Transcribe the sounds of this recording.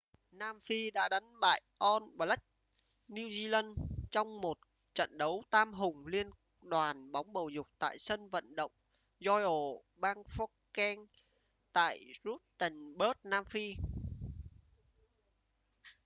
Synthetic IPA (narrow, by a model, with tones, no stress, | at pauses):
naː˧mfi˧ɗa̰ː˧˥ɗa˨˦ŋ̟ɓa̰ː˧˨jʔɔ˧nɓlə˦˥k̚ | ni˧zi˧la˧nt͡ɕɔ˧wŋ͡mmo˨˩t̚ | t͡ɕə̰˧˨nɗə˨˦wt̪aː˧mɦʊ˨˩ŋ͡mli˧ən | ɗwaː˨˩nɓɔ˨˦wŋ͡mɓə˨˩wzʊ˨˩k͡p̚t̪a̰ː˧˨jsə˧nvə̰˧˨nɗə̰˧˨wŋ͡m | zɔ˧jʔo˨˩ | ɓaː˧ŋfɔ˦˥kkɛ˧ŋ | t̪a̰ː˧˨jzu˦˥t̚t̪ə˨˩ŋɓəː˦˥t̚naː˧mfi˧